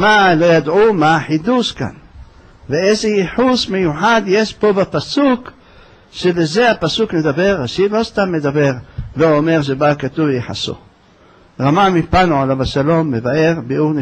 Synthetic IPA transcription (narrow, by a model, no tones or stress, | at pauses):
malo̞jad̪ʕumaħid̪uʃka̰n | veezeiħusmejuħad̪je̞ʃpo̞bapasuk | ʃeleze̞apasukne̞d̪abe̞ʁaʃilo̞st̪amːe̞d̪abe̞ʁveome̞ʁʃ̬ebakat̪uvjeħa̰so̰ | ʁamamipanoalavaʃalo̞mːevae̞ʁbeuʁn